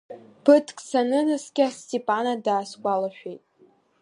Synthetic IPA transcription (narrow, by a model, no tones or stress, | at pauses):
b̥ʰɨtʰkʼsanɨnɨsɡʲastʼepʼanadaːskʷʼalaʃᶣejtʼ